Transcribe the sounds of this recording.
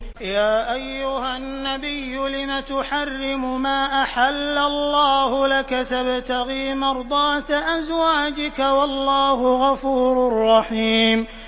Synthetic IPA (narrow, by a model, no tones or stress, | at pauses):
jaːʔajːʊhanːabɪjːʊlɪmat̪ʊħarːɪmʊmaːʔaħalːalːɑːhʊlakat̪abt̪aɣiːmɑɾˤd̪ˤɑːt̪aʔazwaːd͡ʒɪkawɑlːɑːɦʊɣɑfuːɾʊrˤːɑħiːm